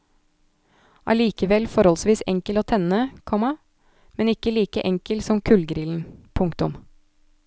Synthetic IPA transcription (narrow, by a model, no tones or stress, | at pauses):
ʔɑ̰liːkəʋɛlfɔɾhɔlsʋiːsɛ̰ŋkəloːt̪ʰɛnəkʰɔmɑ | mɛnɪkːəliːkəʔɛŋkəlsɔmkʰʉlɡɾɪːln̩pʰʊŋkt̪ʊm